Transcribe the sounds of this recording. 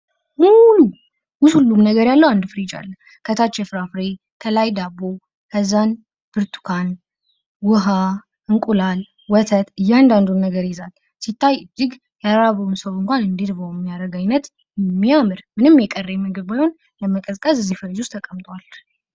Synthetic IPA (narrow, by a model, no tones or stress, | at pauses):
mulu | wʊshulːumnəɡəɾjalːəwand̪fɨɾid͡ʒa̰lːə | kʰət̪ʰat͡ʃːɛfɨɾafɾe | kʰəlajd̪aβo | kʰəzːan | b̥ɨɾt̪ʰu̥kʰan | wʊɦa | ʔɨŋkʼulal | wɔt̪ʰət̪ɨjːɛand̪and̪unːəɡəɾjɛzal | sit̪ːajɨd͡ʒːɪɡ | jaɾɾaβəwɨnsəwɨŋkʷanɨnd̪iɾβəwɛmːijaɾəɡajnət̪ | mːiamɨɾmɨnɨmjɛkʼərːjɛmɨɡɨβajho̞n | ləməkʼəzkʼəzɨzːihfəɾd͡ʒʊst̪ʰəkʼəmt̪ʼwal